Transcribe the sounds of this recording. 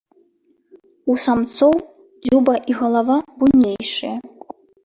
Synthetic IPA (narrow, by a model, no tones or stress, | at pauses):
usamt̪sɔw | d͡zʲubɐʔiɣɐlˠavabujnʲejjʂɨjɐ